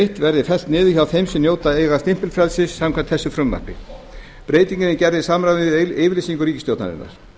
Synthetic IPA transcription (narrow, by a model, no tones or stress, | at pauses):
ht̪vɛɾðɪfɛl̥t̪nɪːðʏçawθejmsɛmnjowt̪aejɣast̪ɪm̥pɪlfɾɛlsɪsːamkʰɛm̥t̪θɛsʏfɾʏmːa̰r̥pɪ | pɾeːjt̪iɲcɪnɪcɛɾðɪsamɾaðɪɪːvɪlesiŋkʏɾiːcɪst̪jowt̪na̰ɾɪ̰nːa̰ɾ̥